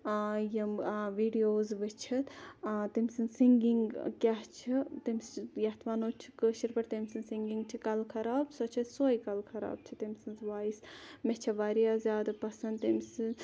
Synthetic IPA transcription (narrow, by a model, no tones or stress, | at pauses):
jɐmʋiːɖijoːzʋɨt͡ʃʰɐt̪t̪imsɨnsiŋɡiŋɡkʲaɦt͡ʃʰit̪imʲsjɐt̪ʰʋaːnoːt͡ʃʰi̥kəːʃiɾpɐɾt̪emʲsɨnsiŋɡiŋɡt͡ʃʰikɐlkʰɐɾaːbsɐt͡ʃʰɐt̪soːjkɐlkʰɐɾa̰ːb̚t͡ʃʰit̪emʲsɨnzʋaːismet͡ʃʰɐʋaːɾijazʲjaːd̪ɐpɐsɐnd̪t̪emsɨn